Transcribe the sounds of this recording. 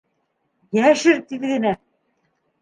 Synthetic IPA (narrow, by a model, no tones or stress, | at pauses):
jæʃɘɾt̪iβɘ̆ðɘ̆næ